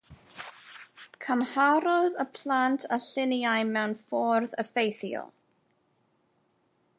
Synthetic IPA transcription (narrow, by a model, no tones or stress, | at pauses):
kʰəmhaɾɔðəpʰl̥ˠantʰaɬɪnjajmɛwnfɔːrðəfejθjɔ̰l